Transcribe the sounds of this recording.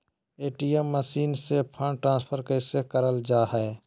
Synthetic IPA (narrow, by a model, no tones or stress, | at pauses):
eːʈiːemːəsiːnsepʰəɳʈɾãːnspʰəɾkəsekəɾəld͡ʒaːɦɛː